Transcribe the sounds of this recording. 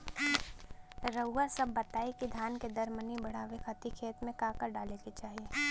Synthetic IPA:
ɾəʊːasɐbːɐt̪aːekid̪ʱjaːnked̪ɐɾmənibɐɽ̤aːʋekʰat̪ikʰeːt̪mẽkaːkəɾɖaːleket͡ʃaːɦieː

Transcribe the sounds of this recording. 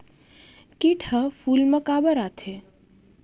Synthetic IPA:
kiʈʰəfuːlməkaːbəɾat̪ʰe

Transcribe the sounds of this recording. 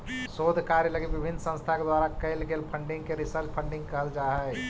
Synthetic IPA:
sod̪ʱkaɾjələɡebibʱinːsə̃st̪ʰaked̪waɾakəɪlɡelpʰəɳɖiŋɡkeɾisəɾt͡ʃpʰəɳɖĩŋɡkəɦəld͡ʒaɦəɛj

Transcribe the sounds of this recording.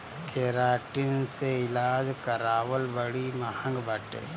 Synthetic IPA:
kʰeːɾaːʈinseɪlaːd͡ʒkəɾaːʋəlbəɽimɐhə̃ŋɡbəʈḛː

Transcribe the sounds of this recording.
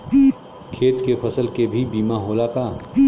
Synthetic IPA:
kʰeːt̪kepʰɐsəlkebʱibiːmaɦoːlakaː

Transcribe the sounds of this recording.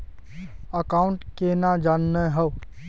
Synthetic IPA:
əkaːʊ̃ɳʈkenad͡ʒanːəɦəw

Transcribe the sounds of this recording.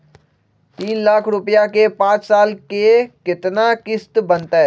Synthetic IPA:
t̪iːnlaːkʰɾʊpjakepãːt͡ʃsaːlkekɪt̪nakɪst̪bənt̪aɦɛː

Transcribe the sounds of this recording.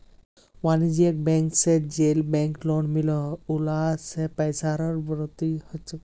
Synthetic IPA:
wanid͡ʒijek̚bɛŋksed͡ʒelbɛŋklɔɳmilɔulasepɛjsaɾɔɾbɾɔt̪ihɔt͡ʃ

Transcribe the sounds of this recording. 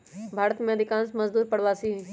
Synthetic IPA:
bʱaːɾət̪mẽɐd̪ʱɪkãːnsmɐzd̪uːɾpɐɽ̤ʋaːsiɦ

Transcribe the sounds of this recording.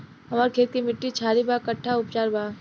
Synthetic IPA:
ɦɐmaːɾkʰeːt̪̚kimɪʈːit͡ʃʰaːɾibaːkɐʈʰːaʊpt͡ʃaːɾbaː

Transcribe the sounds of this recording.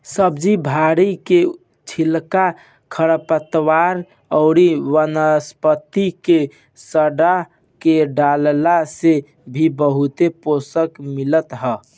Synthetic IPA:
səbd͡ʒibʱaɾike | t͡ʃʰilka | kʰəɽəpət̪waɾ | əʊɾiwənəspət̪ike | səɖa | keɖallase | bʱibəɦut̪eposəkmilət̪ɦə

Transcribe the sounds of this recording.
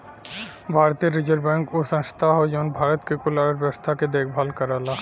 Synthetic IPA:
bʱaːɾt̪iɾɪd͡ʒəɾbɛ̃ːŋkosə̃nst̪ʰaɦod͡ʒɔnbʱaːɾət̪kekʊlaːɾəɾbəst̪ʰaked̪eːkʰbʱalkəɾala

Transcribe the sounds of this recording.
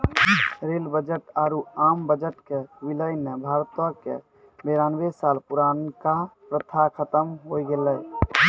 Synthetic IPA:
ɾelbəd͡ʒəʈaɾuambəd͡ʒəʈkeʋiləjnebʱaɾt̪wəkḛ | beɾanbesalpuɾankapɾət̪ʰːakʰət̪əmɦojɡelːəj

